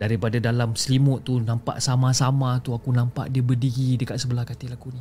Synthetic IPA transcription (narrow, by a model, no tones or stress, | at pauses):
daɾipadadalamsəlimʊʔt̪ːunampa̰ʔsamãsamãt̪uakunãmpa̰ʔdiəbərdiɡidəkaʔ̪̚səbəlahkat̪ilakuni